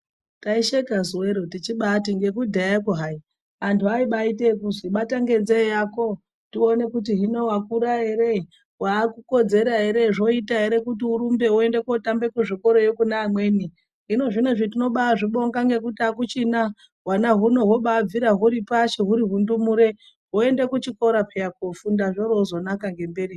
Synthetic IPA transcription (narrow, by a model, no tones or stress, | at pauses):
taiʃekazweɾotit͡ʃiɓatiŋɡe̞kudʱajakuɦai | antʰuaiɓaitekuziɓataŋɡe̞nd͡zejako̞ | tione̞kut̬iɦino̞wakuɾaɦe̞ɾe | waːkuko̞d͡ze̞ɾaɦe̞ɾe̞ʐo̞itaɦe̞ɾe̞kutiuɾumbe̞ue̞nde̞ko̞tambe̞kuʐiko̞ɾo̞jokunaːmwe̞ːni | ɦino̞ʐino̞ʐitino̞ɓaaʐiɓo̞ŋɡaŋɡe̞kutiakut͡ʃina | wanaɦuno̞ɦwo̞ɓab͡viɾaɦuɾipaʃeɦuɾiɦundumuɾe̞ | ɦoe̞ndekut͡ʃiko̞ɾapejakofundaʐoɾouzo̞nakaŋɡe̞mberi